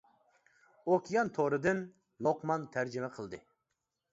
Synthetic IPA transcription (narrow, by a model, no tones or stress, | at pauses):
okʲʰjɑnt̪ʰoɾɨd̪ɨn | lˠoqmɑnt̪ʰæɾd͡ʒɪmɛqʰəlˠd̪ɨ